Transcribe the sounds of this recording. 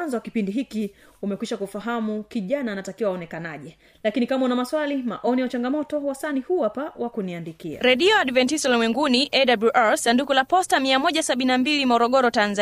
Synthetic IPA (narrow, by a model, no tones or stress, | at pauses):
anzɔwakipindiɦiki | umɛkwiʃakufaɦamukiʄanaːnatakiwawaɔnɛkanaʄɛ | lakinikamaunamaswalima̰ʔɔnijaut͡ʃaŋɡamɔtɔwasanihuapawakuniandikḭɾɛɗiɔaɗvɛntisɔlmwɛŋɡuniʔɛɗabuʔalsandukulapɔstamiamɔʄasaɓininambilimɔɾɔɠɔɾɔtanza